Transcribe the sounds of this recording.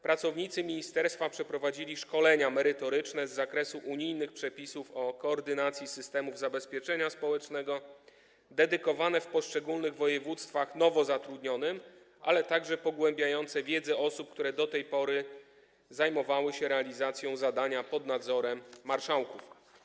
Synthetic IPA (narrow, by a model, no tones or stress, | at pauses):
pɾat̪sɔvɲit̪sɘmʲiɲist̪ɛɾst̪fapʂɛpɾɔvad͡ʑilʲiʂkɔlɛɲamɛɾɘt̪ɔɾɘt͡ʂnɛzːakɾɛsuʔuɲijnɘxpʂɛpʲisufɔkɔːɾd̪ɘnat̪sʲjisɘst̪ɛmuvzabɛspʲjɛt͡ʂɛɲaspɔwɛt͡ʂnɛɡɔ | d̪ɛd̪ɘkɔvanɛfpɔʂt͡ʂɛɡulnɘɣvɔjɛvut̪st̪faxn̪ɔvɔzat̪ɾud̪ɲɔnɘm | ʔa̰lɛt̪aɡʐɛpɔɡwɛmbʲjajɔnt̪sɛvʲjɛd̪zɛɔsup̚kt̪uɾɛd̪ɔt̪ɛjpɔɾɘ | zajmɔvawɘɕɛɾɛalʲizat̪sʲjɔ̃w̃zad̪aɲapɔd̪nad̪zɔɾɛmːaɾʂawkuf